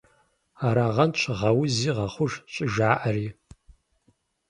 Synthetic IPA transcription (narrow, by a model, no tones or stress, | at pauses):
aːɾaːʁɐnt͡ʃʰʁɐwʊziːʁɐχʷʊʒɕʼɪʒaːʔɐriː